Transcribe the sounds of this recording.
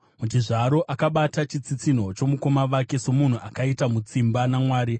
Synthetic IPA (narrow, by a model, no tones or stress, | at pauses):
mut͡ʃiʐaɾo̞ʔakaɓatat͡ʃit͡sit͡sin̤o̞t͡ʃo̞muko̞maʋake̞so̞mun̤uʔakaitamut͡simbanamwaːɾi